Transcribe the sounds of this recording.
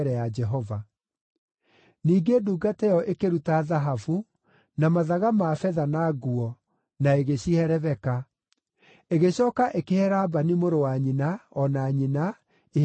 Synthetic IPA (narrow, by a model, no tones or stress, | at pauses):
ɾɛad͡ʒɛɦɔva | niːɡeduːɡatɛjɔʔekeɾutaðaɦafu | namaðaɣamafɛðanaːɡuɔ | naeɣeɕihɛɾɛvɛka | eɣeɕɔːkaʔekehɛɾaːbanimoɾowaɲinaɔnaɲina | e